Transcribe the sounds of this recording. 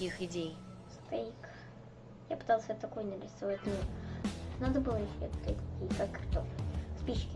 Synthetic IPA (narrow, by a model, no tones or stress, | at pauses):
ixɪdʲej | st̪aik | japɨ̥t̪alˠsʲet̪ɐkojnʲəɾʲɾʲɪsɐvat̪ʲno | nad̪əbɨlˠəjɪɕːoet̪t̪ait̪ʲɐkʲijəkakːkt̪ospʲiɕkʲɪ